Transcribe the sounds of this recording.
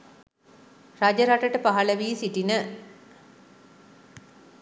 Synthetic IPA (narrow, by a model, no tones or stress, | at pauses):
rad͡ʑəɾaʈəʈəpaɦaləʋiːsiʈinə